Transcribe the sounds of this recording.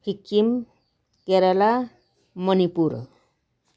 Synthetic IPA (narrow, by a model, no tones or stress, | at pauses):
hikim | keɾala | mʌnipuɾ